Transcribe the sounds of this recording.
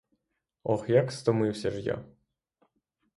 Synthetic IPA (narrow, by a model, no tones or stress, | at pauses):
ɔxjakst̪ɔmɪwsʲɐʐja̰